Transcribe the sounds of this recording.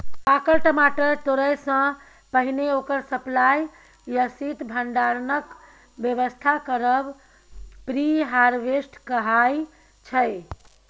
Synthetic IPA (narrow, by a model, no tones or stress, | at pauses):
pakəɾʈəmaʈət̪oɾəjsə̃ | pəɦineokəɾsəplaj | jəsit̪bʱəɳɖaɾnək | bjəʋəst̪ʰakəɾəb | pɾiɦaɾʋesʈʰkəɦaj | t͡ʃʰəj